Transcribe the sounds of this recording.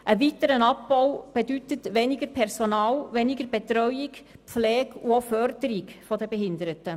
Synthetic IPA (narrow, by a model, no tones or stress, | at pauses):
ʔəʋitəɾənɑpbɔwb̥edytətʋɛnɪɡəɾpʰɛrsonɑːlʋɛniɡəɾb̥etɾœʏikflɛːɡuofœɾdəɾikfɔdəbɛɦɪndəɾətə